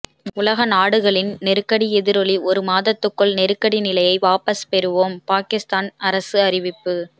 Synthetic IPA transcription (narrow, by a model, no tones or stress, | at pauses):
ʊlɐɣɐnaːɽɯɣɐɭɪnnɛɾɯkːɐɽiɛðɪɾɔliʔɔɾɯmaːðɐt̪ːɯkːɔɭnɛɾɯkːɐɽinɪlɐjɐɪʋaːpɐspɛɾɯʋoːmpaːkɪst̪aːnɐɾɐsɯɐɾɪʋɪpːɯ